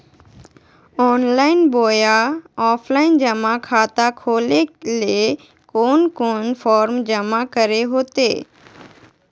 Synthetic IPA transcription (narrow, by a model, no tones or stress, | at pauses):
ɔːnlaːɪnboːjaɔːpʰlaːɪnd͡ʒəmakʰaːt̪akʰoːlele | koːnkoːnfʰɔːɾmd͡ʒɐmakəɾeɦoːt̪eː